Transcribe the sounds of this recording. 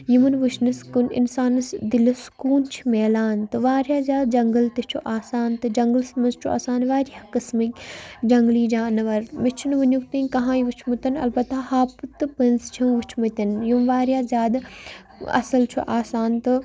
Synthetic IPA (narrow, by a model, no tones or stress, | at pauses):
jimɐnʋut͡ʃʰnɨskunḭnsaːnɨsd̪ilɨskuːnt͡ʃʰi̥meːlaːnt̪ɨʋaːɾjaːzjaːd̪̚d͡ʒɐŋɡəlt̪it͡ʃʰuʔaːsaːnt̪ɨd͡ʒɐŋɡəlsmɐnzt͡ʃʰua̰ːsaːnʋaːɾijakɐsmikʲd͡ʒɐŋɡliːd͡ʒaːnɐʋɐɾmit͡ʃʰunʋɐnjuk̚t̪inʲkɐɦãːjiʋut͡ʃʰmut̪ɐnɐ̰lbɐt̪ahaːpɨt̪ɨpɨnst͡ʃʰɐ̃ʋut͡ʃʰmɐt̪ʲɐnjumʋaːɾjaːzʲjaːd̪ | ɐ̰sɐlt͡ʃʰṵʔaːsaːnt̪ɨ